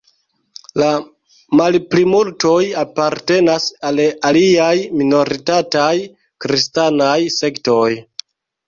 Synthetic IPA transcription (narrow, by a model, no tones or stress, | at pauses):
la | malplimulto̞japaɾte̞nasalaliajmino̞ɾitataj | kɾistanajse̞kto̞j